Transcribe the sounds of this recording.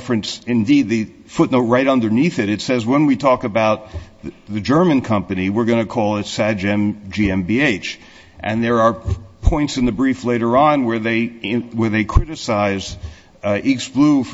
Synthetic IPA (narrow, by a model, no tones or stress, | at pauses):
fɹɨ̃nsɨ̃ndid̪̚ðɨ | fʊtⁿnoʊt̚ɹaɪɾʌ̃ndə˞niθɨɾɨtsɛzwə̃nwitʰɔkɨbaʊt̪̚ | ðɨd͡ʒɜ˞mɨ̃nkʰʌ̃mpɨniwɪɹɡʌnɨkʰɔlˠɨtsæd͡ʒɛ̃md͡ʒiɛ̃mbieɪt͡ʃ | ʔɨ̰̃nðə˞ːpʰɔ̃ɪ̃ntsɨ̃nðɨbɹifleɪɾə˞ə̃nwə˞ðeɪwə˞ðeɪkʰɹ̥ɪɾɨsaɪz | ʔiksb̥luf